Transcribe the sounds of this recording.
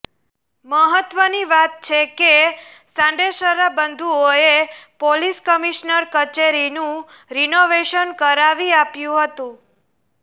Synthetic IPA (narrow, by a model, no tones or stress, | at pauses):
məɦət̪ʋəniʋat̪̚t͡ʃʰekesãɳɖeʃəɾabənd̪ʱuoepoliskəmiʃnəɾkət͡ʃeɾinũ | ɾinoʋeʃənkəɾaʋiapjũɦət̪ũ